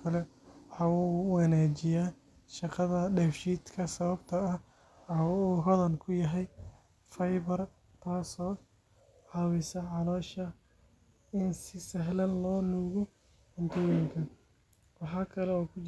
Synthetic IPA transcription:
kʰɐlɛ | wɑħɑːuwɑnaːt͡ʃɪjaː | ʃɑqɑðɐɖɛːfʃiːd̪kʰɐsɐβɐbt̪ʰɐɐh | ɐuːɦɐðɐnkʰʊjɐɦɛj | fɐjβɐr | t̪ʰaːsɔː | ʕɑwɪsɐʕɑlɔːʃɐ | ɪnsɪsɐɦlɐnlɔːnuːɣɔ | ɐnt̪ʰɔːjɪŋkʰɐ | wɑħɑːkʰɐlɛɔːkʰʊt͡ʃ

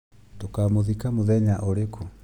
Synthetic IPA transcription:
tokamoðikamoðɛɲaʔoɾeko

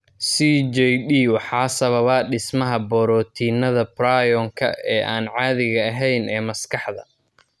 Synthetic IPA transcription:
sid͡ʒɛjɗiːwɑħɑːsɐβɐβɐːɖɪsmɐɦɐbɔːɾɔːt̪ʰiːnɐðɐbɾajɔːŋkʰɐ̰ɛːʔaːnʕɑːðɪɣɐɐɦɛjnɛːmɐskɑħd̪ɐ̰

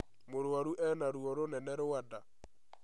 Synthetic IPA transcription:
moɾwaɾuʔɛnaɾuɔɾonɛnɛɾowada

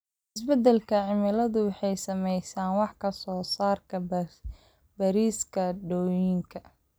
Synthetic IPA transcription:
ʔɪsbɛd̪ɛlkʰɐʕɪmɪlɐðʊwɑħɑjsɐmɛjsaːnwɑħkʰɐsɔːsaːrkʰɐ | bɐɾiːskʰɐɖɔːjɪŋkʰɐ

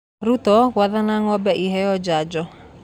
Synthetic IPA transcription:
ɾut̪ɔɣwaðanaŋɔbɛʔiɦɛjɔd͡ʒad͡ʒɔ

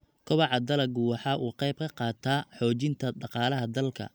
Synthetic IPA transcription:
kʰɔβɑʕɑd̪ɐlɐɡʊwɑħɑːʔuːqɛjb̚kʰɐqɑːt̪ʰaːħɔːt͡ʃɪnt̪ʰɐɖɑqɑːlɐɦɐd̪ɐlkʰɐ̰

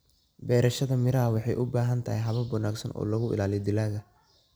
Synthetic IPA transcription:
bɛːɾɐʃɐðɐmɪɾɐɐwɑħɑjʔʊbaːɦɐnt̪ʰɐhɛjɦɐβɐwɐnaːɡsɐ̰nʔɔ̰ːlɐɣʊɪ̰laːlɪd̪ɪlaːɣɐ

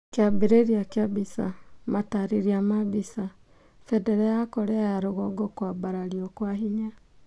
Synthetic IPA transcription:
kabeɾeɾiakabisa̰mataɾeɾiamaβisa | fɛdɛɾaakɔɾɛaɾoɣɔɡɔkwabaɾaɾiɔkwaɦiɲa

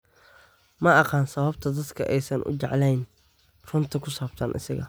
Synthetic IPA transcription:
mɐɑqɑːnsɐβɐbt̪ʰɐd̪ɐd̪kʰɐʔɛjsɐnʔʊ̰t͡ʃɛʕlɛjn | rʊnt̪ʰɐkʰʊsaːb̚t̪ʰɐnʔɪ̰sɐɣɐ̰

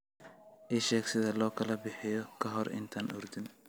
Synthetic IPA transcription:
ʔɪʃɛːksɪðɐlɔːkʰɐlɐbɪħɪjɔkʰɐɦɔɾɪ̰nt̪ʰaːnʔʊ̰rd̪ɪn

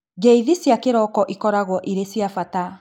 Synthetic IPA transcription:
ɡeiðisjakeɾɔkɔʔikɔɾaɣwɔʔiɾesjafata

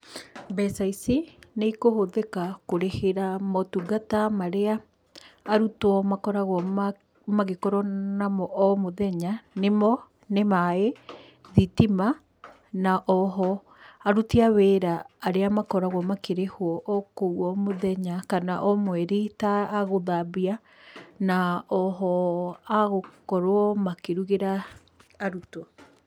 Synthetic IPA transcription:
bɛsaisineikohoðekakoɾeheɾamɔtuɡatamaɾeaː | ɾutwɔmakɔɾaɣwɔm | maɣekɔɾɔnamɔʔɔmoðɛɲanemɔ | nemae | ðitima | naʔɔɦɔ | aɾutiawɛɾaːɾeamakɔɾaɣwɔmakeɾehwɔʔɔkowɔmoðɛɲakanaʔɔmwɛɾitaːɣoðabia | naɔɦɔaɣokɔɾoɔmakeɾuɣeɾaː | ɾutɔ

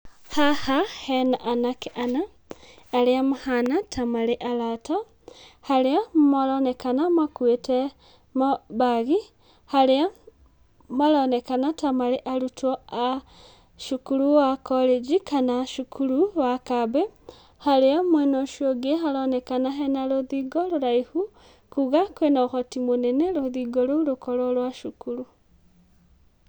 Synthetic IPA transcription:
hahahenaʔanakiʔanaː | liamuhanatʰamaliʔalata | haliamalonekanamakwete | maβaɣi | halia | malonekanatamaliʔalutoa | ʃukuɾuwakɔɾed͡ʒikanaʃukʰuɾuwakabɛ | haɾeamwɛnɔʃiɔɡeɦaɾɔnɛkanaɦɛnaɾoðiɡɔɾoɾaihu | kuɣakwenaoxɔtimonɛneɾoðiɡɔɾoɾokɔɾɔlwaʃukuɾu

